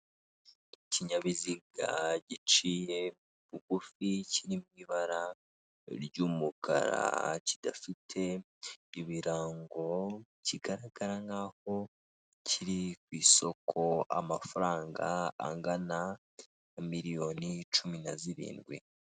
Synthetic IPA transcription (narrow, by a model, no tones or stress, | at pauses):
iciɲaβiziɡa̰ɟit͡ʃije̞ | βuɡ̥uficiɾimwiːβaɾa | ɾɟuːmukʰa̰ɾa̰cid̥afitʰe̞ | iβiɾaːŋɡo̞ | ciɡaɾaɡ̥aɾaŋɡaho̞ | cʰiɾikwiːso̞kʰo̞a̰mafuɾaːŋɡa̰ːŋɡana | miɾijo̞nit͡ʃuminaziɾḭːnɡwḭ